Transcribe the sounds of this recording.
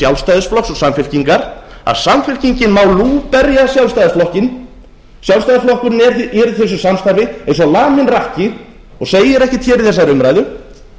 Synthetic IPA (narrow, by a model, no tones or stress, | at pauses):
sjawlst̪ajðɪsflɔksɔɣsamfɪl̥ciŋkaɾa̰ðsamfɪlciɲcɪnmaːwluːpɛɾjasjawlst̪ajðɪsflɔhcɪn | sjawlst̪ajðɪsflɔhkʏɾnɛɾɛɾθɛs̬ʏsamst̪aɾvɪẽjns̬ɔlaːmɪnrahcɪ | ɔɣseːjɪɾɛhcɪt̪çɛːɾɪiðθɛsːaɾʏmɾaːjðʏ